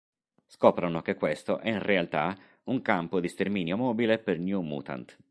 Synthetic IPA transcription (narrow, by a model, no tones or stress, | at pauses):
skɔːpɾanokekːwest̪oʔɛinrʔealt̪a | uŋkampod̪ist̪ermiːnjomɔːbilepernjumṵːt̪a̰nt̪